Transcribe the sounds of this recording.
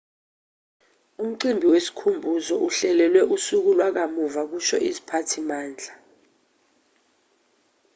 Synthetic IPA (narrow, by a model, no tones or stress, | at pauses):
um̩ǀimbʱiwesi̥kʰumbʱuzɔʔuɬɛlɛlwɛʔusuk̬ulwak̬amuvak̬uʃɔʔizipʰatʰimaːnd͡ɮʱa